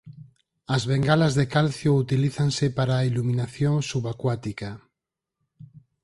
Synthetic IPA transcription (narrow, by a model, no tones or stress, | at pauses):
ɐzβeŋɡalazðekalθjout̪iliθaŋsepaɾaːilumĩnaθjoŋsuβakwat̪ika